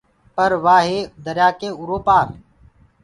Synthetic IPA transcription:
pəɾʋaːɦeːd̪əɾjaːkeːuɾoːpaːɾ

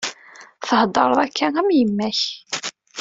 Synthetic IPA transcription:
θəhd̪ˤɑɾˤðˤækʰːænæmjəmːæç

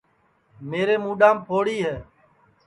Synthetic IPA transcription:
meːɾeːmũːɗãːmpʰoːɽiːɦɛː

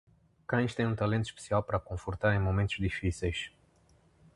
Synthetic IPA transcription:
kaniʃt̪eunt̪alent̪ʃpsiapɾako̞nfort̪aɾeɨnmo̞ment̪urʲd̪ifiseʃʲ

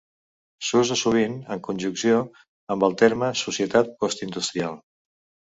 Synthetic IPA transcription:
suzəsuβ̞inəŋkunʲʒuksio | əmbəlˠt̪eɾməsusiət̪at̪̚kɔst̪ind̪ust̪ɾialˠ

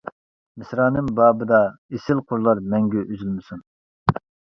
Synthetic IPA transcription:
mɪsɾɑːnɨŋbɑːbɨd̪ɑesɪlˠqʰoɾlˠɑɾmɛŋɡʲɛʔyzylmɪsun

